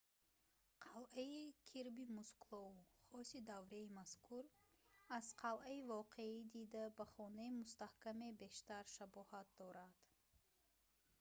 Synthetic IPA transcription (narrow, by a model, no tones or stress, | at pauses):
qʰalʔaikʰiɾbimusklˠɔuχɔsid̪avɾeimaskʰuɾazqʰalʔaivɔqʰeid̪id̪abaχɔnaimust̪ahkamebe̞ʃt̪aɾʃabɔhat̪̚d̪ɔɾad̪̥